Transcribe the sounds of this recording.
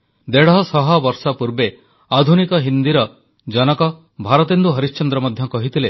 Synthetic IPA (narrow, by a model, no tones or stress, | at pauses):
d̪eɽɦɔsɔɦɔbɔɾsɔpuɾbe | ad̪ʱunikɔɦind̪iɾɔ | d͡ʒɔnɔkɔ | bʱaɾɔt̪end̪uɦɔɾist͡ʃɔnd̪ɾɔmɔd̪ʱjɔkɔɦit̪ile